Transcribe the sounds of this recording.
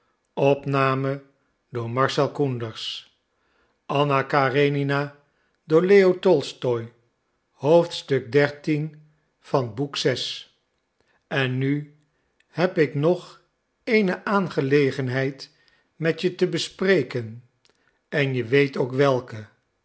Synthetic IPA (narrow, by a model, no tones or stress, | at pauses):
ɔpnaːmə | dʊːɹmɑɹsɛlˠkundəɹs | ʔɑnakaːrenina | doːɹleotɔlˠstɔj | howftstɵɡ̚dɛɹtin | fɑnbuksɛs | ɛnːy | hɛpɪknɔχ | ejnəʔaːnχəlejχənɦɛjt | mɛtjətəbəsprejkən | ɛnjəʋejtowkʋɛlˠkə